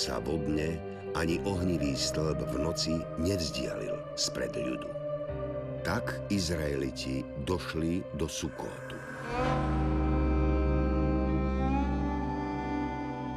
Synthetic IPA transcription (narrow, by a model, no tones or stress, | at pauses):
sa̰vɔd̪ɲɛ | aɲiʔɔɦɲiʋiːst̪l̩bvnɔt͡siɲɛvzɟɪa̰lḭl | spɾɛ̰d̪jṵd̪u | t̪akizɾaɛlicid̪ɔʃlid̪ɔsukɔ̰ːt̪u